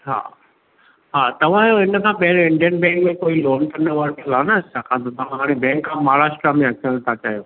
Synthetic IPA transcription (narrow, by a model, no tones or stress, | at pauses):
ɦa̰ː | ɦaːt̪ɐʋ̤ãjoɦɪnəkʰãːpɐɦɪɾoɪ̃ɳɖijənbɛ̃ːŋkmẽkoːiloːnʈ̪ʰɐnɐʋəɾʈɐlaːnɐt͡ɕʰaːkʰãːt̪ʰot̪ɐʋ̤ãɦaːɽ̃ebɛ̃ːŋkːãmaːɽaːsʈɾamẽɐkʰiəɽ̃t̪ʰat͡ɕaːjoː